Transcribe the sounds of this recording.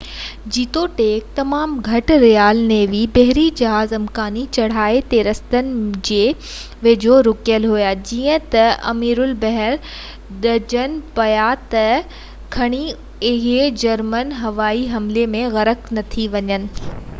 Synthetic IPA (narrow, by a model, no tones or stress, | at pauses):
d͡ʑiːt̪oʈeːk̚t̪ɐmaːmɡʱɐʈɾijaːlnẽʋibɐɦɪɾid͡ʑɐɦaːzɐmkaːnit͡ɕɐɽ̤aːet̪eːɾɐst̪ənɪ̆d͡ʑeː | ʋed͡ʑʱoɾʊkjəlɦujad͡ʑiːə̃t̪ɐɐ̰miːɾʊlbɐɦɛɾ | ɗɐd͡ʑənɪ̆pɐjat̪ɐ | kʰɐɽ̃i | ɪɦd͡ʑɐɾmənɦɐʋaːiɦɐmlemẽɣɐɾəknɐt̪ʰiʋɐɲənɪ̆